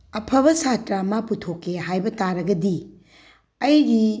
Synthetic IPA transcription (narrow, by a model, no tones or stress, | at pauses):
ɐpʰɐbɐsatɾamɐputʰokːeɦajbɐtaɾɐɡɐdi | ɐjdi